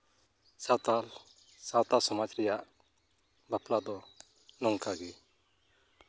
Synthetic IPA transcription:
sata | sãwt̪asɔmad͡ʒɾɛjaʔ | baplad̪ɔ | nɔŋkaɡɛ

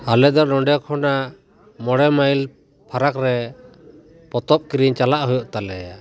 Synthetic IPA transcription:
alɛd̪ɔnɔɳɖɛkʰɔna | mɔɽɛmajl | pʰaɾakɾɛ | pɔt̪ɔp̚kiɾiɲt͡ʃalaʔɦujɔʔt̪alɛja

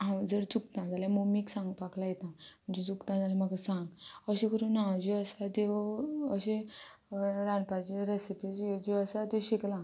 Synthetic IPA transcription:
ɦãd͡zəɾt͡suk̚t̪ãd͡zaljamuɡmiːksãŋɡpaklajɛt̪ãm̤əɳd͡zet͡sukt̪ãd͡zalãm̤aɡasãŋɡəɕẽkəɾũnad͡ʑiəsat̪eəɕẽ | ɾãnpad͡ʑiɾesipid͡zd͡ʑiəsat̪eɕiklã

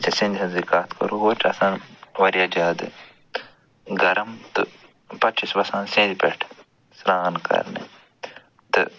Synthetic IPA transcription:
sisĩnd̪sɐnzikaːt̪kɐ̰ɾuwoʈʰɐsãːnʋɐɾijaːd͡ʒaːd̪ɨ̰ | ɡɐɾɐmt̪ɨ | pɐt͡ʃisbɐsãːnsẽːd̪ipḛʈʰ | sɾaːnkɐ̰ɾnḛ | t̪ɨ̰

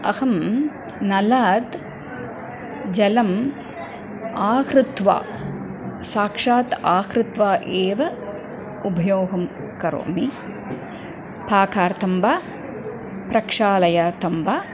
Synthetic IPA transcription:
ɐ̰hɐm | nɐlaːd̪ | d͡ʒɐlɐm | aːkɾɪt̪ʋa̰ː | saːkʂaːt̪aːkɾɪt̪ʋaːʔeːʋɐ | ubʱɐjoːɦɐm | kɐɾo̰ːmi | paːkaːɾt̪ʰɐmbaː | pɾɐkʂaːlɐjaːɾt̪ʰɐmbaː

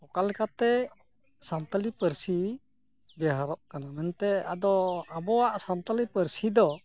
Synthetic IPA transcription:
pɔkalɛkat̪ɛ | sant̪alipəɾsi | bɛɦaɾɔʔkanamɛnt̪ɛad̪ɔabɔwaʔsant̪alipəɾsid̪ɔ

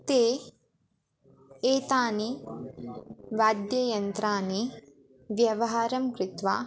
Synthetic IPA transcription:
t̪eː | eːt̪aːni | ʋaːd̪jɐjɐnt̪ɾaːni | ʋjɐʋɐɦaːɾɐmkɾɪt̪ʋaː

